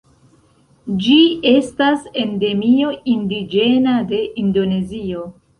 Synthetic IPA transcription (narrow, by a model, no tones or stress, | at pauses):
d͡ʒie̞stase̞nde̞mio̞indid͡ʒe̞nade̞ʔindo̞ne̞zio̞